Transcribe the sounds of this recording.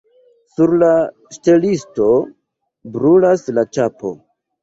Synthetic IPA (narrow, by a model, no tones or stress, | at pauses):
suɾla | ʃte̞listo̞ | bɾulaslat͡ʃapo̞̰